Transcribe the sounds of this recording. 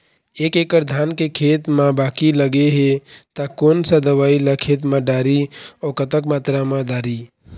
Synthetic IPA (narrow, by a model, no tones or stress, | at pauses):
ekekəɾd̪ʱaːnkekʰet̪mãbaːkiləɡeɦet̪akonsəd̪əʋaːiləkʰet̪̬mãɖaːɾiɔkət̪əkmaːt̪ɾamãɖaːɾi